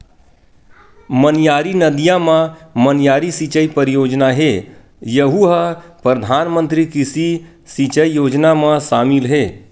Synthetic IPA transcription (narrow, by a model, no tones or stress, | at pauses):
mənjaːɾinəd̪ijãmãmənjaːɾisit͡ʃəipəɾɪjoːd͡ʒnaɦeː | jəɦuɦəpɾəd̪ʱaːnmə̃nt̪ɾikɪsi | sit͡ʃəijoːd͡ʒnamãʃaːmɪlɦeː